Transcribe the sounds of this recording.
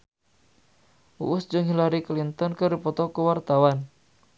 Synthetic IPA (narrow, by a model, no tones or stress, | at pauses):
ṵʔʊsd͡ʒɔŋɦilaɾiklint̪ɔnkəɾipɔt̪ɔkuwart̪awan